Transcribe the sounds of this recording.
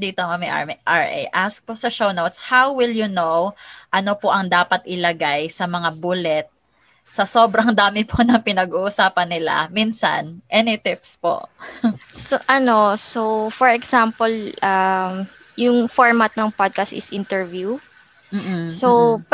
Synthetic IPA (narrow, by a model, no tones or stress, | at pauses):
d̪iːt̪omɐmiʔa̰ɹʔaɹʔɛ̰jʔask̚posɐʃownowt̪shawwɪljʊnowʔɐno̞poʔɐŋd̪aːpɐt̪̚ʔɪlɐɡajsɐmɐŋabulɛt̪̚ | sɐso̞ːbɾɐŋd̪aːmɪpʰonɐŋpɪnɐɡuːʔʊsaːpɐnːɪla̰miːnsɐ̰nʔɛnɪt̪ɪpspo̰ʔ | soʔɐno̞sofɔɹɛksampolʔam | jʊŋfoɹmɐt̪̚nɐŋpod̪̚kɐst̪ɪ̰sʔɪnt̪ɛɹvju | m̩ːso